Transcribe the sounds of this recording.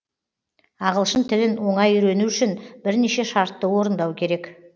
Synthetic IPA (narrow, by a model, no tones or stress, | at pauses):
ɑʁəlˠʃənt̪ʰɪlɪnwo̞ɴɑjʏjɾe̞nuʏʃɪnbɪɾneʃe̞ʃɑɾt̪ːəwo̞ɾənd̪ɑwkʲʰe̞ɾe̞k